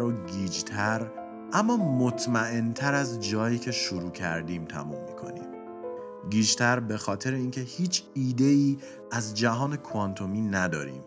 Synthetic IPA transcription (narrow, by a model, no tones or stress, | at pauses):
ɾoɡiːd͡ʒt̪ʰæɾ | ʔæmːɒːmot̪ʰmæʔe̞nt̪ʰæɾæzd͡ʒɒːjiːcʰe̞ʃoɾuːcʰæ̰ɾd̪iːmt̪ʰæ̰mṵmːikʰo̞̰nḭːm | ɡiːd͡ʒt̪ʰæɾbe̞xɒːt̪ʰe̞ɾeiːncʰe̞hiːt͡ʃʰiːd̪e̞iː | æzd͡ʒæɦɒːne̞kʰoɒnt̪ʰo̞miːnæd̪ɒːɾḭːm